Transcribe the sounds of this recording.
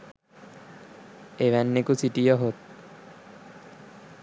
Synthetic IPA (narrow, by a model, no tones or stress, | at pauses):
eʋænːekusiʈijəɦot̪̚